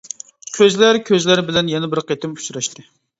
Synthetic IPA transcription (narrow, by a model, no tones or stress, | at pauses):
kʲʰøzlæɾkʲʰøzlæɾbɪlɛnjɛnɛbɪɾqʰet̪ʰɪmu̥suɾɑʃt̪ʰɨ